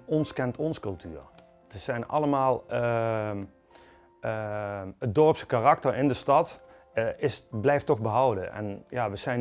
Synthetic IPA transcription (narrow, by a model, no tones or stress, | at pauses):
ɔnskɛntʰɔnskɵlˠtʰyːɹ | təsɛjnɑ̰ləmaːlˠə | ət̚dɔɹpsə̥karɑk̚tərɪndəstɑt | ɪsblɛjftːɔχbəɦɔwdə̰ʔɛ̰njaːʋəsɛjn